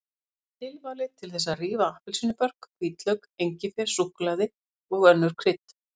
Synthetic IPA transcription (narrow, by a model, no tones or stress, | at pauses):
t̪ʰɪlvaːlɪt̪ʰɪlθɛs̬ːariːvaahpɪlsinʏpœr̥kkʰviːt̪lœɥkejɲcɪfɛɾ̥suhklaðɪ | ɔɣœnːʏɾ̥kʰɾɪt̪